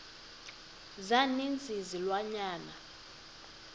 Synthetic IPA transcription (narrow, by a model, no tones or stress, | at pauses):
zanind͡zʼʱizilwaɲaːna